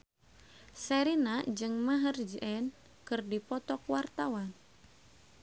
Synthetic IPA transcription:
sɛɾinad͡ʒɨŋmaɦərd͡ʒʔɛn | kɨrdipɔt̪ɔkwart̪awan

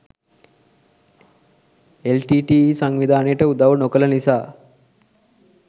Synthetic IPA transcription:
elʈiːʈiːsaŋʋid̪ʱaːnejʈəud̪ɐʋɐnokəlɐnisaː

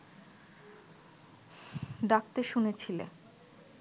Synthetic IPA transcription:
ɖak̚t̪eʃunet͡ɕʰilḛ

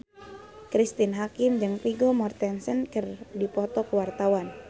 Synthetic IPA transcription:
kɾist̪inɦakɪmd͡ʒɨŋpiɡɔmɔrt̪ɛnsənkərdipɔt̪ɔkəwart̪awan

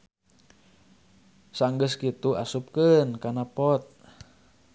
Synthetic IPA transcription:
saŋɡəskit̪uasup̚kənkanapɔt̪̚

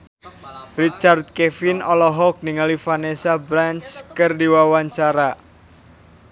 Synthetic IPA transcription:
rit͡ʃard̪̚kefinɔlɔɦɔk̚niŋalifanesabɾant͡ʃkɨrdiwawaɲt͡ʃaɾa

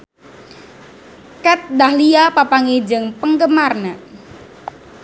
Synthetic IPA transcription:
kɛt̪̚dahliapapaŋid͡ʒɨŋpəŋɡəmarna

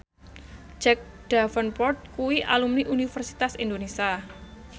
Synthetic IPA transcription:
d͡ʒɛk̚ | d̥afənpɔrt̪̚kuwiʔa̰lumniʔunifərsi̥t̪asind̪onesia

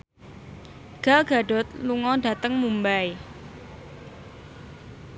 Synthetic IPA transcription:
ɡ̥alɡ̥a̤ɖɔ̤t̪̚luŋɔɖa̤t̪əŋmumbaj

